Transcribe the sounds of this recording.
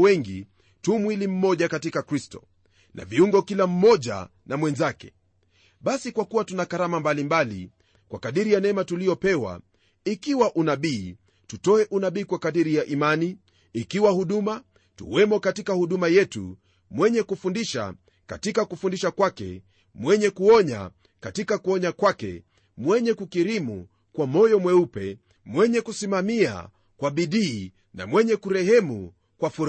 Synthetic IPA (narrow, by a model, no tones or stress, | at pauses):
wɛŋɡi | tumwilim̩mɔʄakatikakɾistɔ | nʔa̰viuŋɡɔkilam̩mɔʄa̰namwɛnzakɛ̥̰ | ɓasikwakuwatunakaɾamambalimbalḭ | kwakaɗiɾijanɛmatulijɔpɛwa̰ | ikiwaʔunaɓiː | tutɔɛʔunaɓiːkwakaɗiɾijaʔimaniː | kiwahuɗuma | tṵwɛmɔkatikahuɗumajɛtṵ | mwɛɲɛkufundiʃa̰ | ka̰tikakufundiʃakwakɛ̰ | mwɛɲɛkuɔɲa̰ | katikakuɔɲakwakɛ̰ | mwɛɲɛkukiɾimṵ | kwamɔjɔmwɛupɛ̰ | mwɛɲɛkusimamia̰ | kwaɓiɗiː | na̰mwɛɲɛkuɾɛhɛmu | kwafuɾ